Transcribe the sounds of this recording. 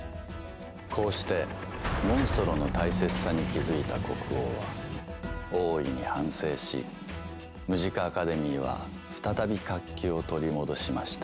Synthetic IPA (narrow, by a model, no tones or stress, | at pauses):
kʰo̞ːɕi̥t̪e̞mõ̞ɰ̃sɨ̥t̪oɾo̞no̞t̪aise̞t͡sɨ̥saɲ̟ikʲizɨit̪ako̞kɯ̟oβa̰ | o̞ːiɲ̟ihãɰ̃se̞ːɕḭ | mɯʑikaːkad̪e̞mʲiːβa̰ | ɸɯ̥t̪at̪abʲikakʲːio̞t̪o̞ɾʲimo̞d̪o̞ɕimaɕi̥t̪a